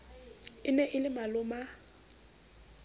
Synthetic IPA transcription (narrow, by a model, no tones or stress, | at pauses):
ɪnɛʔɪlɪmalʊma